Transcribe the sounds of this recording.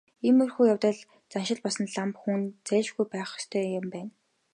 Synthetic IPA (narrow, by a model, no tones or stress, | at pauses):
emɵrxuːjawt̪ə̆ɮ | t͡sanʃɪ̆ɮpɔsə̆nɮampxunt͡sæːʃɡujpæːχst̪ʰœːjɪ̆mpæːn